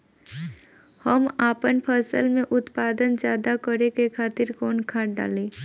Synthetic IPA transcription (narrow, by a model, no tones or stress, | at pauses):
həmaːpənpʰəsəlmẽʔʊt̪paːd̪ənd͡ʒjaːd̪akəɾekekʰaːt̪ɪɾkɔːnkʰaːʈ̚ɖa̰ːleː